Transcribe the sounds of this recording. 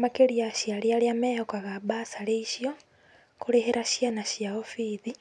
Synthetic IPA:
makeɾiaʃjaljaljamejokaɣaβasaleiʃjo | kuleheɾaʃjanaʃjaofiði

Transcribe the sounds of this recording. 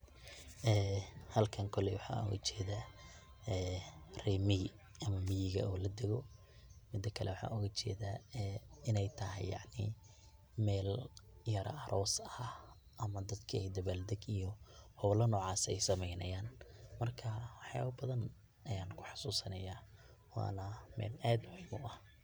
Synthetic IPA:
ʔɛːhɐlkʰɐŋkʰɔlɛwɑħɑ̰ːʔʊ̰ɣɐt͡ʃɛːðaː | ɛːrɛːmɪɣɪ | ɐmɐmɪjɪɣɐ̰ʔɔːlɐd̪ɛɣɔ | mɪd̪ːɐkʰɐlɛwɑħɑ̰ːʔʊɣɐt͡ʃɛːðaːɛɪnɛjt̪ʰɐɦɛ̰jjɑ̰ʕnɪ̰ | mɛːljɐɾɐɐɾʔɔːsɐ | ʔɐmɐd̪ɐd̪kʰɐɛd̪ɐβaːld̪ɐɡijɔhɔβlɐnɔːʕɑːsɛjsɐmɛjnɐjaːnmɐrkʰɐwɑħja̰ːβɐbɐðɐn | ɐjaːnkʰʊ̥ħɑ̥suːsɐnɐjaː | wɑ̰ːnɐmɛ̰ːlaːd̪wħmʊʔɐh

